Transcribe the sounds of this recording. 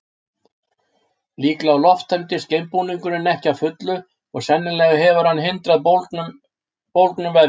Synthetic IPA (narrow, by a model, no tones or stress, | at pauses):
liːklaːwlɔft̪ʰant̪ɪscejmpuniŋkʏnɪnɛhcawfʏt̪lʏ | ɔɣsɛnːɪnlɛːɣaɦɛvʏɾ̥hanːɦɪnt̪ɾaðn | powlt̪nʏmvɛɾ